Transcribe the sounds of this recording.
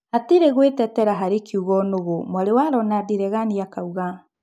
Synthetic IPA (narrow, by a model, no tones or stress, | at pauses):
ateɾeɣwetɛtɛɾaɦaɾekiuɣɔnoɣomwaɾewaɾɔnadeɾɛɣaniakauɣa